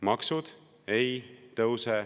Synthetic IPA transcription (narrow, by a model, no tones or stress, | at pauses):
mɑksud̪̥ | ejt̪ɤwse